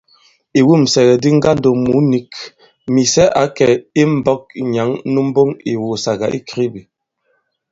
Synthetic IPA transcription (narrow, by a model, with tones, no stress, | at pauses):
i˨wu˦˨m̩˨sɛ˨ɣɛ˨di˦ŋ̩˦ɡa˦n̩˦do˨mu˨˦ni˨˦k | mi˨sɛ˦ʔa˨˦kɛ˨i˦m̩˨bɔ˦k̚ɲa˨˦ŋ˦nu˦m̩˦bo˦ŋi˨wo˨sa˨ɡa˨ʔḭ˦kɾi˦bi˨